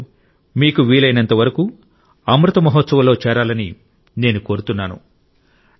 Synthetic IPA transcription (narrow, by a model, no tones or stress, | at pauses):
miːkuʋiːlɐjnɐnt̪ɐʋɐɾɐku | ɐmɾut̪ɐmɐɦɔt̪sɐʋɐlo̞ːt͡ʃɛːɾaːlɐni | ne̞ːnuko̞ːɾut̪unːaːnṵ